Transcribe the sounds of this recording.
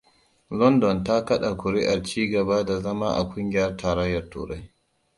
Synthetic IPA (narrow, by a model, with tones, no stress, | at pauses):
lɔ˦ndɔ˨nta˦kɐ˦ɗa˨kʷʊ˨ɾɪ˦ʔa˨rt͡ʃiː˦ɡɐ˨baː˦da˨zɐ˦ma̰ː˦ʔa̰˨kʷʼʊ˦ŋɡʲɪ˦jɐ˦rtʰaː˨ɾɐ˦jːɐ˨rtṵː˨ɾa˦j